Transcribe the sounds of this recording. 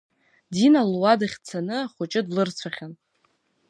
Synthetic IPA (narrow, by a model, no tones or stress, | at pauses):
dinalwadɨχʲt͡sʰanɨaχʷʊt͡ʃʼɪdlɨrt͡sʷʰaχʲan